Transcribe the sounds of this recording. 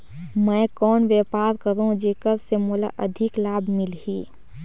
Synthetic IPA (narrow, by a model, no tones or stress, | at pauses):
mɛ̃ːkɔːnʋjeːpaːɾkəɾũd͡ʒeːkəɾsemoːla̰ʔɐd̪ʱɪklaːbʱmɪlɦiː